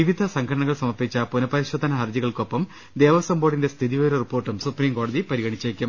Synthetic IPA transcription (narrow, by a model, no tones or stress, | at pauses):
iʋid̪ʱɐsɐŋkʰɐɽɐɳɐɣɐɭsɐmɐrpit͡ɕːɐpunɐpɐɾiɕoːd̪ʱːɐnɐɦɐrd͡ʑiɣɐɭko̞pːɐm | d̪eːʋɐsɐmbo̞ːɽindest̪ʰiðiʋɐɾɐripːo̞ːrʈːumsupriːmko̞ːɽɐðipɐɾiɣɐɳit͡ɕːekʲːum